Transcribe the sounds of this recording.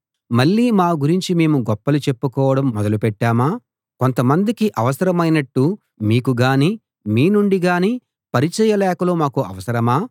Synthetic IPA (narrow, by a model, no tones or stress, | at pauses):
mɐɭːiːmaːɡuɾiɲt͡ʃime̞ːmuɡɔpːɐlut͡ʃe̞pːukɔːʋɐɽɐmːɔd̪ɐlupɛʈːaːmaː | ko̞nt̪ɐmɐnd̪ikiʔɐʋɐsɐɾɐmɐjnɐʈːu | miːkuɡaːniː | miːnuɳɖiɡaːniː | pɐɾit͡ʃɐjɐlɛːkɐlo̞ːmaːkuɐ̰ʋɐsɐɾɐmaː